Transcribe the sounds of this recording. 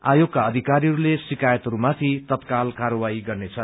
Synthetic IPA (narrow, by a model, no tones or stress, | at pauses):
a̰joɡkaʌd̪ʱikaɾiɦʌɾulesikajʌt̪ɦʌɾumat̪ʰit̪ʌt̪kalkaɾʌwaiɡʌrnet͡sʰʌ